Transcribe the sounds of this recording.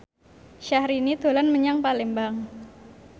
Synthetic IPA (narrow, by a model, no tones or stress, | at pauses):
ʃahɾinid̪̥o̤lanməɲaŋpalembaŋ